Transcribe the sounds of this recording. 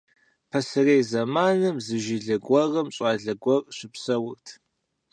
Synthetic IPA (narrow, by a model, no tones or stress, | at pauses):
pʰɐsɨrejzɐmaːnɨmzɨʒɪɮɐɡʷɐʁɐmɕʼaːɮɐɡʷɔrɕʷɪpsɐwʊrtʰ